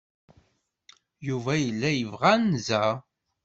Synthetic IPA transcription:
juvæjəlːæjəvʁænzæ

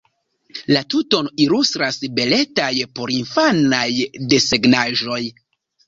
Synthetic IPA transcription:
latuto̞nilustɾasbe̞le̞tajpo̞ɾinfanajde̞se̞ɡnaʒo̞j

